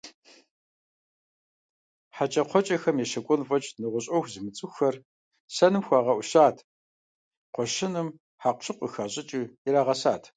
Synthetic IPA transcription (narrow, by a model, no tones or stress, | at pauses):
ħat͡ʃʼɐqʷʰɔt͡ʃʼɐxɐmjɛʃɐkʷʼɔnfʼɐt͡ʃʼnɨʁʷʊɕʼɐxʷzɨmɨt͡sʼɨxɐr | sɐnɨmxʷaːʁɐʔʷʊɕaːtʰ | qʷɔʃɪnɨm | ħaːqʷɕʰɨqʷəxaːɕʼɪt͡ʃʼɨjɛɾaːʁɐsaːtʰ